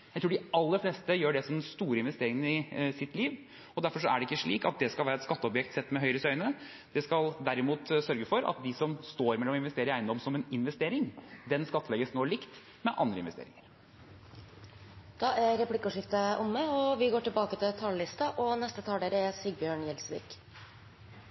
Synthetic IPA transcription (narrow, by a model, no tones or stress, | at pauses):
jjæɪt̪ɾuːɖɪɑlːəfleːst̪əjøːɖɛsɔmd̪ɛnst̪uːɾəɪnʋɛst̪eːɾɪŋən̩ɪsɪt̪liːʋ | ɔd̪æɾfɔʂɔæɖɛɪkːəʂɭḭːkɑ̰t̪̚d̪ɛskɑlʋæːɾɛt̪skɑt̪ːəɔpjɛk̚t̪sɛt̪ːmɛɦœʏɾəsœʏnə | d̪̥ɛskɑld̪æɾɪmuːt̪sœɾɡəfɔɾɑ̰t̪̚d̪ɪsɔmst̪oːɾmɛlɔmɪnʋɛst̪eːɾəɾæɪnɔmsɔmɛnɪnʋɛst̪eːɾɪŋd̪ɛnskɑt̪ːəlɛɡəsnoːɭɪkt̪ | mɛʔɑnd̪ɾəɪnʋɛst̪ḛːɾɪ̰ŋəɾ | d̪̥ɑʔæɾɾɛplɪkːʊʂɪft̪əʔʊmːəɔʋɪɡoːʈɪlbɑːkət̪ʰɪlt̪ʰɑːllɪst̪ɑʔɔnɛst̪ət̪ʰɑːlɖeɾɛsyɡbjøːɳjɛlsʋḭːk